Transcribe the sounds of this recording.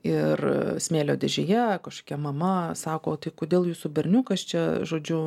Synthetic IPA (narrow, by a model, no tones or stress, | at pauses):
ɪrsʲmʲeːlʲoːd̪ʲɛʒʲɛjɛkɐʃkoːkʲɛmɐmɐsɑːkoːt̪ɐɪkoːd̪ʲeːlˠjuːsubʲɛrʲnʲuːkɐst͡ʃʲɛʒoːd͡ʒʲʊ